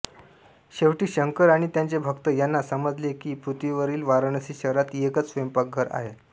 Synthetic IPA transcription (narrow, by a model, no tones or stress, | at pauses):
ɕeʋʈiːɕəŋkəɾaɽ̃it̪jãɲt͡sebʱəkt̪əjanːasəməd͡zlekiːpɾut̪ʋiʋəɾiːlʋaɾəɳ̃əsiːɕəɾat̪ekət͡sʋempak̚ɡʱəɾa̰ɦe